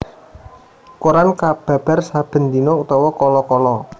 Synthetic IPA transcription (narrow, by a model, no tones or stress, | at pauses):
kuɾankab̥ä̤b̥a̤rsab̥ə̤nd̪inout̪ɔwɔkɔlɔkɔlɔ